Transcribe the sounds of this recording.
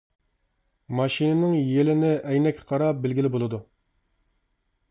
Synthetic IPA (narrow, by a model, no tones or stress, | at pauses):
mɑʃinɪnɪŋjelɪnɪʔɛjnɛkʲʰːqʰɑɾɑbɪlɡʲilɪbolˠɨd̪u